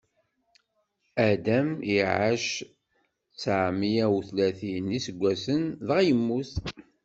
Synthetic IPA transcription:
æd̪æmiʕaʃ | t͡sːaʕmijæwθlæθinisəɡʷːæsənðʁjəmːuθ

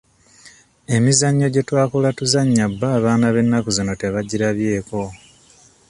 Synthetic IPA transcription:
e̞mizaɲːo̞ɟe̞twaːkulatuzaɲːabːaːβaːnaβe̞nːakuzino̞te̞βaɟiɾaβje̞ːko̞

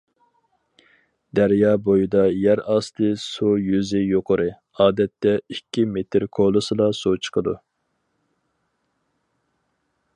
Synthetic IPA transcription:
d̪æɾjɑːbojid̪ɑjæɾɑst̪ʰɨsujyzɪjoqʰʊɾɨ | ɑːd̪ɛt̪ːɛikʲːimet̪ʰɪɾkʰolˠɨsɨlˠɑsot͡ʃʰə̥qʰəd̪ṵ

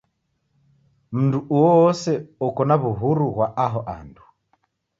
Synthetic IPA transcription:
m̩nduʔuwɔɔsɛɔkɔnaβuɦuɾuɣwaʔaɦɔʔa̰ndu

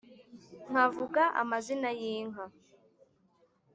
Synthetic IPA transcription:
ŋ̥avuɡaʔa̰mazinajiːŋɦa

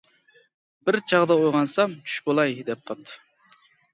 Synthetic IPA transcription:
b̥ɪɾt͡ʃʰɑʁd̪ɑojʁɑnsɑmt͡ʃʰy̥ʃbolˠɑjd̪ɛp̚qʰɑt̪ʰːɨ

